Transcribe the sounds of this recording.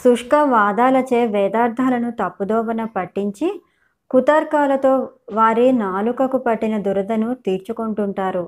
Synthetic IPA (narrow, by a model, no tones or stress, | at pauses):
suʂkɐʋaːd̪aːlɐt͡ʃeːʋɛːd̪aːɾd̪ʱaːlɐnut̪ɐpːud̪ɔːʋɐnɐpɐʈːiɲt͡ʃi | kut̪ɐɾkaːlɐt̪o̞ːʋaːɾinaːlukɐkupɐʈːinɐd̪uɾɐd̪ɐnut̪iːɾt͡ʃukoɳʈuɳʈaːɾu